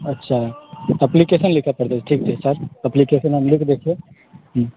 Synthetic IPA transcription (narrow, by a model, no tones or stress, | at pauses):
ɐtːʃʰaɐplikeʃənlɪkʰapɐɾt̪ed͡ʒʈʰiːk̚t̪ʰesɐɾɐplikeːʃənɦɐmlɪkʰd̪eːkʰie